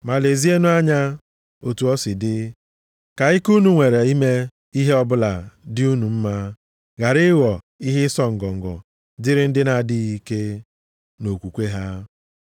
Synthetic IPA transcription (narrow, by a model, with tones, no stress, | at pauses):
ma˨le˨zi˦e˦nu˦a˦ɲa˦ | o˨tu˨ɔ˦sɪ˨dɪ˦ | ka˨i˦ku˦nu˨ŋʷe˨ɾe˨i˦me˦ | i˦ɦe˦ɔ˦bʊ˦la˨dɪ˦u˦nu˨m̩˦ma˦ | ɣa˨ɾɪ˦wɔ˨ | i˦ɦɪ˦sɔ˦ŋ̩˨ɡɔ˨ŋ̩˨ɡɔ̰˨ | dɪ˦ɾɪ˦n̩˦dɪ˦na˨di˦ɣi˦ke˦ | no˨kʷu˨kʷe˦ɦa˦